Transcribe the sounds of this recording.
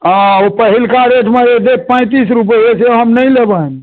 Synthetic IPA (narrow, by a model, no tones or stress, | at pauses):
ãopəɦilkaɾeʈmeed̪ek̚pə̃ɪ̃t̪isɾupəjeseɦəmnəjlebən